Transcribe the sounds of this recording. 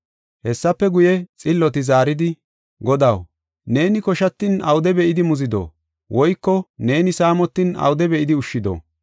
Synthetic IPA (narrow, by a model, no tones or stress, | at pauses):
hɛsːɐpːɛɡʊjɛt͡sʼɪlːɔt̪ɪzaːɾɪd̪ɪ | ɡɔd̪ɐw | ne̞ːnɪkɔʃɐt̪ːɪnɐ̰wd̪ɛbɛʔɪd̪ɪmʊzɪd̪o̰ː | wʔɔjkːɔne̞ːnɪsaːmɔt̪ːɪnɐ̰wd̪ɛbɛʔɪd̪ɪʊʃːɪd̪o̰ː